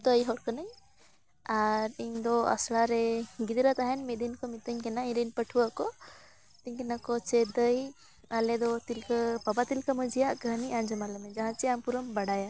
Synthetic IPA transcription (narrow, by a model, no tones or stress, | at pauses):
d̪əjɦɔɾkənəɲ | aɾiɲd̪ɔa̰slaɾɛɡid̪ɾat̪aɦɛnmit̪̚d̪inkɔmit̪əɲkɛnaiɲɾinpəʈʰuwaʔkɔ | t̪iɲkɛnakɔt͡ʃɛd̪əj | alɛd̪ɔt̪ilkəpabat̪ilkəməd͡ʒijaʔɡʱəniʔãɲd͡ʒəmalɛmɛd͡ʒaɦãt͡ʃiampuɾəmbaɽaja